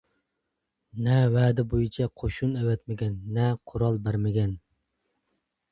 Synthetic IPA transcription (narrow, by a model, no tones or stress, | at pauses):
nɛwɛːd̪ɪbojit͡ʃʰɛqʰoʃunɛwɛt̪mɪɡʲɛnːɛqʰʊɾɑlˠbæɾmɪɡʲɛn